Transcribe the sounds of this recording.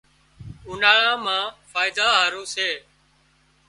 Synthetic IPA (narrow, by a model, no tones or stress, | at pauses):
ʊnaːɭãːmãːfaːɪd̪aːɦaːɾũːseː